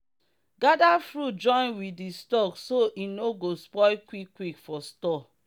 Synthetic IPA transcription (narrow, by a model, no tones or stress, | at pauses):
ɡadafɹut̚d͡ʒɔ̃ɪ̃nwidistɔksoʔinoɡospɔɪkwikːwikfɔstɔ